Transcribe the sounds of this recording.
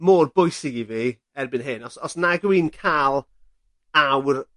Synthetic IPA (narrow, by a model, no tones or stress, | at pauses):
moːrbʊjsɪɡivi | ɛrbɪnɦɨnɔsɔsnaɡwiːnkʰaːlˠ | awr